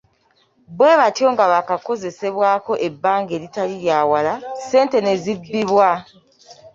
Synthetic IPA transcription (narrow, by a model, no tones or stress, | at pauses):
bwe̞ːβatjo̞ŋɡaβakako̞ze̞se̞βwaːko̞ʔe̞bːaːŋɡe̞litaliɾjaːwalase̞ːnte̞ne̞zibːiβwa